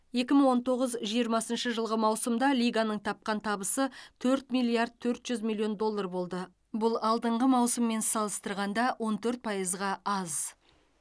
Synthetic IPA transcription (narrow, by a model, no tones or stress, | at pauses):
je̞kʲɪməɴŋwo̞nt̪ʰo̞ʁəzʒijəɾmɑsənʃəʒəlˠʁəmɑwsəmd̪ɑlʲijɡanəɴt̪ʰɑp̚qɑnt̪ʰɑbəsət̪ʰɵɾt̪mijlˠːiaɾd̪̚t̪ʰɵɾt̪ʒ̥ʏzmʲilʲˠːio̞nd̪o̞lˠːarbo̞lˠd̪ə | bʊlˠɑlˠd̪əɴʁəmɑwsəmːe̞nsɑlˠəst̪əɾʁɑnd̪ɑwʔo̞nt̪ʰɵɾt̪̚pʰɑjəzʁɑɑz